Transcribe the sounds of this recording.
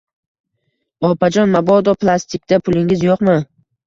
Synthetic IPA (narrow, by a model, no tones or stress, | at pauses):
ɒpʰad͡ʒɒnmabɒd̪ɒpʰlˠast̪ʰɪkt̪apʰʊlˠɪŋɪzjoqmɪ